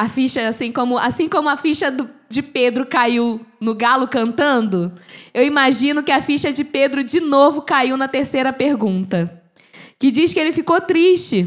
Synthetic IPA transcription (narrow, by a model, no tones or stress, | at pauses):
afiʃɐasĩkõmʊʔasĩkõmʊɐfiʃɐd̪ʊd͡ʒɪped̪ɾʊkaiwnʊɡalʊkɐ̃nt̪ɐ̃nd̪ʊewimaʒĩnʊkɪɐfiʃɐd͡ʒɪped̪ɾʊd͡ʒɪnovʊkaiwnɐt̪eɾsejɾɐpeɾɡũnt̪ɐ | kɪd͡ʒiskɪelɪfikot̪ɾiʃt͡ʃɪ